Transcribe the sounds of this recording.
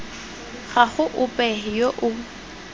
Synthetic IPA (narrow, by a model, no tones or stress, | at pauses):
χaχʊʔʊpʼɛɪjoʔʊ